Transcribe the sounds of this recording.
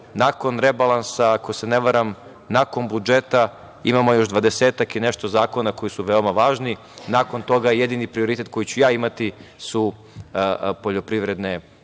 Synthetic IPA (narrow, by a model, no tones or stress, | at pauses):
nako̞nɾebalˠansaːko̞se̞neʋaɾam | nako̞nbud͡ʒe̞t̪a | ḭmamo̞jo̞ʒd̪ʋad̪e̞seːt̪akine̞ʃt̪o̞zaːko̞nako̞jisuʋe̞omaʋaːʒni | nako̞nt̪o̞ɡaje̞d̪inipɾio̞ɾit̪e̞t̪ko̞jit͡ɕujaːimat̪isu | po̞ʎo̞pɾiʋɾe̞d̪ne̞